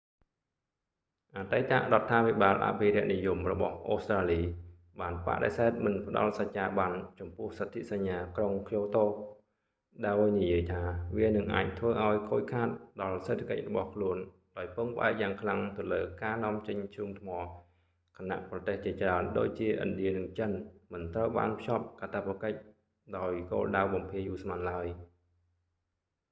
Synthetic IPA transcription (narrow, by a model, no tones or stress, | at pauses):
ʔaːt̪ajt̪a̰ʔrŏət̪ʰːaːpʰiɓaːlʔa̰pʰiɾɛ̆əʔnijumrɔɓɑ̰hʔoːst̪raːliː | ɓaːnpa̰ʔɗḛsaɛt̪̚mɨnpə̆ɗɑ̰lsac̚t͡ɕaːɓant͡ɕɑmpʊəhsət̪ʰːiʔsaɲːaːkroŋkʰjoːt̪oː | ɗaɔjnijiəjt̪ʰaːʋiənɨŋʔa̰ːc̚t̪ʰʋəːʔaɔjkʰoːc̚kʰaːt̪̚ɗɑlseːt̪ʰakə̰c̚rɔɓɑhkʰluən | ɗaɔjpɨŋpʔa̰ɛk̚jaːŋkʰlaŋt̪ɨ̆ələːkaːnŏəmt͡ɕəɲt͡ɕʰuːmt̪ʰmɑː | kʰana̰ʔprɑt̪eːht͡ɕiət͡ɕraənɗo̰ːc̚t͡ɕiəʔɨ̰nɗiənɨŋt͡ɕənmɨnt̪rəwɓa̰ːnpʰjop̚kat̪ʰapːakəc̚ | ɗaɔjko̰ːlɗawɓɑmpʰiəjʔuːsmanlaəj